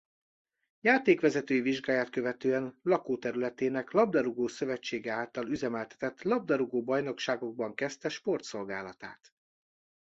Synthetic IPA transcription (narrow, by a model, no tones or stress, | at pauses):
jaːt̪eːkʋɛzɛt̪øːjiviʒɡaːjaːt̪̚kø̞vɛt̪øːɛnlɒkoːt̪ɛɾylɛt̪eːnɛklɒbd̪ɒɾuɡoːsø̞vɛt͡ʃːeːɡɛaːlt̪ɒlyzɛmɛlt̪ɛ̥t̪ɛt̪lɒb̚d̪ɒɾuɡoːbɒjno̞kʃaːɡo̞ɡ̚bɒŋkɛst̪ɛʃpo̞rt̪so̞lɡaːlɒt̪a̰ːt̪